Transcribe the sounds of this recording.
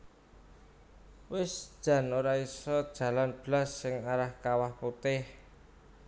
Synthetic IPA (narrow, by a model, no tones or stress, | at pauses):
wɪsd̥ʒ̥ä̤noɾaisɔd̥ʒ̥ä̤lanb̥lasːɪŋaɾahkawahput̪ɪh